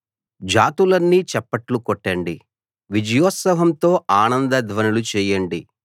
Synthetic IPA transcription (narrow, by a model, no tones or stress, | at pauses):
d͡ʒaːt̪ulɐnːit͡ʃɛpːɐʈlukɔʈːɐɳɖi | ʋid͡ʒɐjɔːt̪sɐɦɐmt̪o̞ːʔaːnɐnd̪ɐd̪ʱʋɐnɐlut͡ʃɛːjɐɳɖi